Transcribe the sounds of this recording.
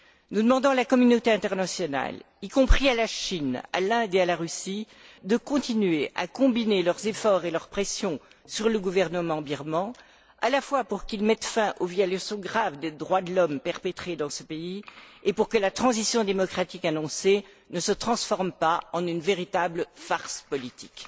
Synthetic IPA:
nud̪əmɑ̃d̪ɑ̃lakɔmynot̪eɛ̃t̪ɛʁnasjɔna̰l | ikɔ̃pχialaʃina̰lɛ̃d̪ealaʁysi | d̪əkɔ̃t̪inɥeʔa̰kɔ̃binelœʁzefɔʁelœʁpχesjɔ̃ | syʁləɡuvɛʁnəmɑ̃biʁmɑ̃ | alafwapuʁkilmɛt̪fɛ̃ʔovjɔlasɔ̃ɡʁavd̪ed̪ʁwad̪əlɔmpɛʁpet̪χed̪ɑ̃səpeiepuʁkəlat̪χɑ̃zisjɔ̃d̪emɔkχat̪ikanɔ̃se | nəsət̪χɑ̃sfɔʁmpaɑ̃nynveʁit̪abləfaʁspɔlit̪i̥k

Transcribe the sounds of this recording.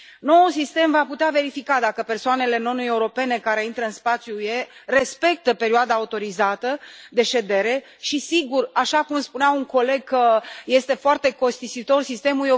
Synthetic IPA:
nousist̪e̞mvaput̪eave̞ɾifikad̪akəpe̞rsoane̞le̞no̞nuje̞uɾo̞pe̞ne̞kaɾe̞int̪ɾəɨnspat̪sjujere̞spe̞k̚t̪əpe̞ɾioad̪aːut̪o̞ɾizat̪əd̪e̞ʃe̞d̪e̞ɾe̞ | ʃisiɡuraʃakumspuneawuŋko̞le̞ɡ̚kəje̞st̪e̞foart̪e̞ko̞st̪isit̪o̞rsist̪e̞muljo

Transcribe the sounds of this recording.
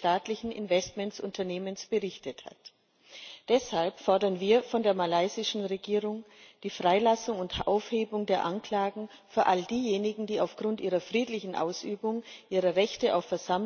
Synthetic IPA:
taːtlɪçn̩ɪ̰nvɛstmɛntsʔʊntʰɐneːmənsb̥əʁɪçtətha̰t | d̥ɛshalpfɔɐdɐnviːɐfɔndeːɐmalaɪzɪʃn̩ʁeɡiːʁʊŋd̥iːfʁ̥aɪlasʊŋʊntʔa̰ʊfheːbʊŋdeːɐʔankl̥aːɡŋ̩ | fyːɐʔaldiːjeːnɪɡŋ̩diːaʊfɡ̥ʁʊntʔiːʁɐfʁ̥iːtlɪçn̩ʔa̰ʊsʔyːbʊŋʔiːʁəʁɛçtəʔaʊfːɛɐzam

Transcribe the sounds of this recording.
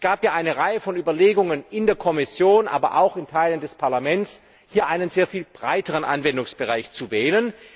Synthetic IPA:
sɡ̥aːpjaːʔaɪnəʁaɪəfɔnyːbɐleːɡʊŋənɪndeːɐkʰɔmɪsjoːnʔa̰ːbɐ̰ʔa̰ʊxɪntʰaɪləndɛspʰaɐlamɛntt͡s | hiːɐʔaɪnənzeːɐfiːlb̥ʁaɪtəʁənʔa̰nvɛndʊŋsb̥əʁaɪçt͡suvɛːlən

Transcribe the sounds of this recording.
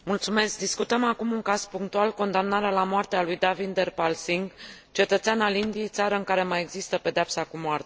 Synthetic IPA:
mult̪sume̞sk̚d̪iskut̪əmakumuŋkaz̥puŋk̚t̪ualko̞nd̪amnaɾealamoart̪ealujd̪avind̪erpalsiŋɡ | t͡ʃe̞t̪ət̪seanalind̪ije̞jt̪saɾəɨŋkaɾe̞maje̞ɡzist̪əpe̞d̪eapsakumoart̪e

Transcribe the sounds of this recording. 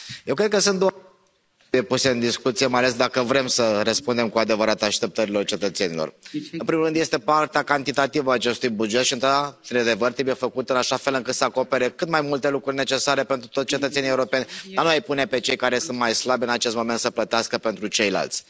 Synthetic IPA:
jewkɾed̪̚kəsɨnt̪d̪oa | jepuse̞ɨnd̪iskut̪sijemajales̬d̪akəvɾe̞msəɾəspund̪e̞mkuad̪e̞vəɾat̪aʃt̪e̞p̚t̪əɾilo̞rt͡ʃe̞t̪ət̪se̞nilorɨnpɾimulɾɨnd̪je̞st̪e̞part̪eakant̪it̪at̪ivəaːt͡ʃe̞st̪ujbud͡ʒe̞t̪ʃiɨnt̪ɾad̪aɾed̪e̞vərt̪ɾebuje̞fəkut̪ɨnaʃafe̞lɨŋkɨt̪səako̞pe̞ɾe̞kɨt̪majmult̪e̞lukɾurʲne̞t͡ʃe̞saɾe̞pe̞nt̪ɾut̪ot̪ʲt͡ʃe̞t̪ət̪senije̞uɾo̞pe̞nʲd̪anuajpune̞pe̞t͡ʃe̞jkaɾe̞sɨnt̪majslabʲɨnat͡ʃest̪mo̞ment̪səplət̪easkəpe̞nt̪ɾut͡ʃe̞jla̰lt̪sʲ

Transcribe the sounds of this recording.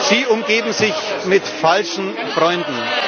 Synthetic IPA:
z̥iːʔʊmɡeːbm̩zɪçmɪtfalʃn̩ | fʁ̥ɔʏndn̩

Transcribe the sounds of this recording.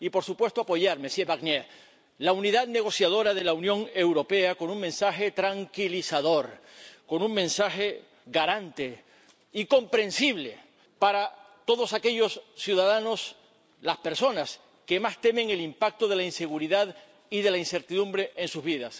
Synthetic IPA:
ipo̞ɾsupwe̞st̪o̞apo̞ʝaɾmesjeβaɣne | launiðaðne̞ɣ̞o̞sjaðo̞ɾaðe̞launjõ̞ŋe̞wɾo̞pe̞ako̞nuŋmẽ̞nsaxe̞t̪ɾaŋkilisaðo̞ɾko̞nuŋmẽ̞nsaxe̞ | ɡaɾant̪e̞ | iko̞mpɾe̞nsiβle̞ | paɾat̪o̞ð̞o̞sake̞ʎo̞sːjuðaðano̞s | laspe̞ɾso̞nas | ke̞mast̪e̞mẽ̞ŋe̞limpak̚t̪oð̞e̞lainse̞ɣ̞uɾiðað | iðe̞lainse̞ɾt̪iðũmbɾe̞ʔensuzβiðas

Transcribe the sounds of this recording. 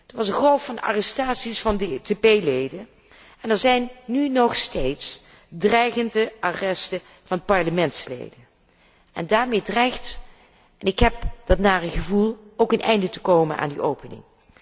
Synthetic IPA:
d̥əʋɑsəχrolˠffɑndəʔa̰ːrɛstaːtsisfɑndetepejlejdən | ɛnɛɹzɛjnːynɔχstejts | drɛjχəndəʔarɛstə | vɑnpɑɹləmɛntslḛjdən | ɛ̰ndaːɹmejdrɛjxt | ʔɛnɪkɦɛp̚d̥ɑtnaːrəχəvulˠowkənʔɛ̰jndətəkowmənʔa̰ːndiʔowpənɪ̰ŋ

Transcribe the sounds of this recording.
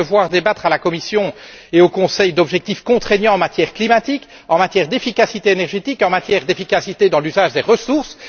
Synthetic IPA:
əvwaːʁd̪ebat̪χalakɔmisjɔ̃ | eokɔ̃sɛjd̪ɔbʒɛk̚t̪ifkɔ̃t̪χenjɑ̃ɑ̃mat̪jɛʁklimat̪ik | ɑ̃mat̪jɛʁd̪efikasit̪eenɛʁʒet̪ikɑ̃mat̪jɛʁd̪efikasit̪ed̪ɑ̃lyzaʒd̪eʁəsuʁs

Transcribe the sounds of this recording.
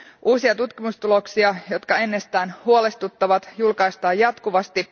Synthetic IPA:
ʔuːsiɑt̪ut̪kimust̪ulo̞ksiɑjo̞t̪kɑe̞nːest̪æːnhuole̞st̪ut̪ːɑʋɑt̪julkɑjst̪ɑːjɑt̪kuʋɑst̪i

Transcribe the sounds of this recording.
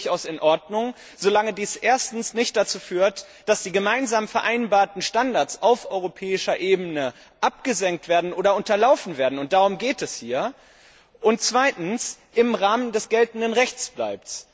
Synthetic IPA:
çaʊsɪnʔɔɐdnʊŋ | z̥olaŋədiːsʔeːɐstn̩snɪçt̚d̥at͡suːfyːɐt | d̥asd̥iːɡəmaɪnzaːmfɛɐʔaɪnbaːɐtn̩ʃtandaɐt͡saʊfʔɔʏʁopʰɛːɪʃɐʔeːbənə | ʔapɡ̥əzɛŋktv̥eːɐdn̩ʔoːɾɐʊntɐlaʊfn̩veːɐdn̩ʊnt̚d̥aʁ̞ʊmɡeːtɛshiːɐ | ʔʊnt̚t͡sv̥aɪtn̩s | ʔɪmʁaːməndɛsɡ̥ɛltn̩dənʁɛçt͡sb̥la̰ɪp̚t

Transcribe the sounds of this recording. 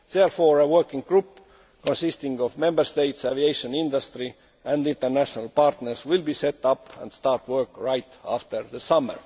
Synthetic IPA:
ðeɹfoːɹəwɜkĩŋɡ̚ɡɹup | kõnsist̪ĩŋɡovmẽmbəst̪ejt̪sæviejʃõnĩnd̪ast̪ɹi | ʔæ̃ndĩnt̪əɹnæʃonəlpɑɹt̪nəɹswɪlbiːset̪ːɑpʰæ̰̃nd̪̥st̪ɑːɹt̪wɜ˞kɹajt̪æft̪əɹðəsɑmə̰ɹ

